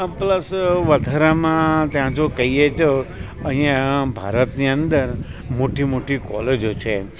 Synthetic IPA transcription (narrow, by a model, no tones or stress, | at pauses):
pləsʋəd̪ʱaɾamãt̪jãd͡ʒokəɦiet͡ʃʰo | əɦĩjãbʱa̰ɾət̪niənd̪əɾmoʈimoʈikɔ̰led͡ʒot͡ʃʰe